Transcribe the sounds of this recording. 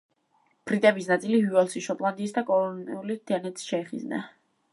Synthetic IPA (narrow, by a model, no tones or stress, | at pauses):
pʰɾit̪ʼɛbisnat̪sʼiliɦuɛlˠsiʃɔpʼlˠand̪iːsd̪akʼɔlɔnḭulit̪ʰianɛt̪sʃɛɛχḭzna̰